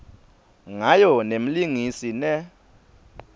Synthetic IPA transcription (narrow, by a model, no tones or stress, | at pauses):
ŋajɔnem̩liŋisinɛ